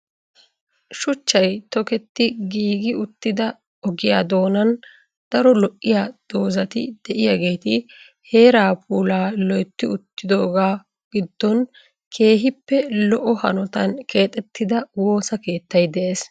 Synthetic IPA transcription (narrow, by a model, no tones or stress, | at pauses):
ʃʊt͡ʃːɐjt̪ɔkɛt̪ːɪɡiːɡɪʊt̪ːɪd̪ɐ | ɔɡɪjaːd̪o̞ːnɐn | d̪̥ɐɾɔlɔʔːɪjaːd̪̥oːzɐt̪ɪd̪ɛʔɪjaɡe̞ːt̪ɪ | he̞ːɾaːpʰuːlaːlɔjt̪ːɪʊt̪ːɪd̪o̞ːɡaː | ɡ̥ɪd̪ːɔn | kʰe̞ːɦɪpːɛlɔʔɔhɐ̰nɔt̪ɐnkʰe̞ːt̪ʼɛt̪ːɪd̪ɐwo̞ːsɐke̞ːt̪ːɐjd̪ɛʔe̞ːs